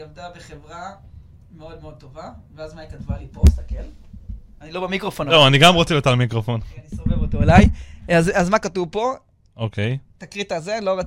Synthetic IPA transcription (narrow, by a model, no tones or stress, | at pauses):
iavd̪abeχevʁa | meo̞d̪̚meod̚t̪o̞vaveazmaikatvaliposakel | anilo̞bemikʁofonlowaniɡamʁot͡seliot̪almikʁofo̞neanisovevot̪oelajazazmakatuvpo̞ | okʰejet̪akʁitaːzeanilo̞ʁat͡s